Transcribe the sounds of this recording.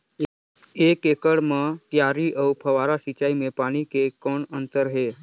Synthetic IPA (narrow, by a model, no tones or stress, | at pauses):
ekekəɽmət̪jaɾiːʔəwpʰəʋaɾasit͡ɕaimepaɽ̃ikekoɳənt̪əɾɦe